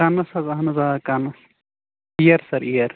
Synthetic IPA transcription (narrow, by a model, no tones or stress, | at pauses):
anːɐsɐzɐɦɐnɐzaːkanːɐs | ijɐɾsɐɾijɐɾ